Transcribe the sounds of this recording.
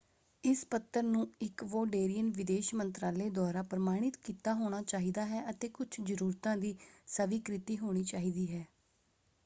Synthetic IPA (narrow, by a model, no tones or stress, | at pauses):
ɪspət̪ːəɾnũːɪkʋoːɖeːɾijənʋɪd̪eːʃmənt̪ɾaːleːd̪ɔːɾaːpɾəmaːɽ̃ɪt̪kiːt̪aːɦoːɽ̃aːt͡ʃaːɦiːd̪aːɦɛːʔət̪eːkʊt͡ʃʰd͡ʒəɾuːɾt̪ãːd̪iːsəʋikɾɪt̪iːɦoːɽ̃iːt͡ʃaːɦiːd̪iːɦɛː